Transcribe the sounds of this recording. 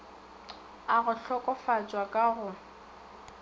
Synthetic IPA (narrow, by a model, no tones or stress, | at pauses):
aɣʊɬɔkʼɔfat͡ʃʼwakʼaɣʊ